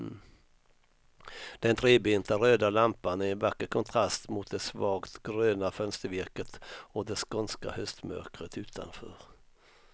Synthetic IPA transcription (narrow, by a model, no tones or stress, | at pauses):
d̪̥ɛnt̪ʰɾeːbent̪aɾøːd̪alampanɛɛnvakːəkʰɔnt̪ʰɾast̪mʊt̪̚d̪ɛsvɑːɡt̪ɡɾøːnafœnst̪əɾvɪɾkət̪ɔd̪ɛskɔnska̰hœst̪mœ̰ɾkɾət̪ʉ̟ːt̪ʰa̰nfœ̰ːɾ